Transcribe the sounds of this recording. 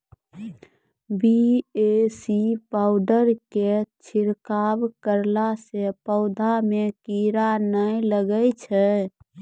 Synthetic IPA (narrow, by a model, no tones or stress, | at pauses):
biesipaʊɖəɾket͡ʃʰiɾkabkəɾlasepəʊd̪ʱamekiɾanəiləɡəjt͡ʃʰɛ